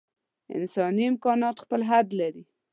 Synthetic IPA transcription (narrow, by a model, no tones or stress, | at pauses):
ɪ̰nsɑniɪmkɑnɑt̪xpəlɦad̪laɾi